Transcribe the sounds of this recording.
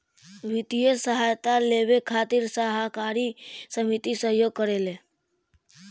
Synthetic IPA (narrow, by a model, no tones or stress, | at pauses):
ʋɪt̪ijəsəɦajt̪aleʋekʰaːt̪iɾsəɦakaːɾisəmit̪isəɦjoːɡ̚kəɾele